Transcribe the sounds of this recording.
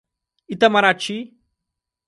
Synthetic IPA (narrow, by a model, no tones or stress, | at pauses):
it̪ɐmɐɾaːt͡ʃʰi